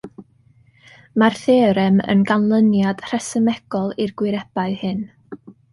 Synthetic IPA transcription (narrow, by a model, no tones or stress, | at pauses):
marθeːɾɛmə̰nɡanlˠənjad̥r̥ɛsəmɛɡ̥ɔlˠirɡ̥wɪɾɛb̥aɨhɨn